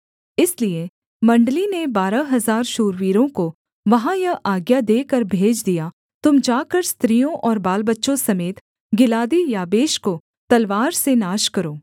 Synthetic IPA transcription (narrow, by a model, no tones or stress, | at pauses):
ɪslie | mɐ̃ɳɖlinebaːɾaɦɐzaːɾʃuːɾʋiːɾõko | ʋɐɦãjɐʔaːɡjad̪eːkɐɾbʱeːd͡ʒd̪ija | t̪ʊmd͡ʒaːkəɾst̪ɾijõʔɔːɾbaːlbətːʃõsɐmeːt̪ | ɡɪlaːd̪ijaːbeːʃko | t̪ɐlʋaːɾsenaːʃkɐɾoː